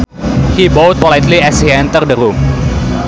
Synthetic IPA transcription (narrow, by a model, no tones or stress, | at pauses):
hibowt̪̚wɔlajt̪liɛsiɛ̃nt̪ərdəɾum